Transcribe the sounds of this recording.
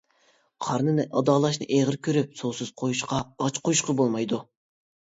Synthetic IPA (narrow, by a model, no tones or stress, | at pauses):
qʰɑɾnɨnɨʔɑd̪ɑːlˠɑʃnɨ̰ʔeʁɨɾkʲøɾyp̚sosɨz̥qʰojuʃqɑɑt͡ʃqʰojuʃqɑbolˠmɑjd̪u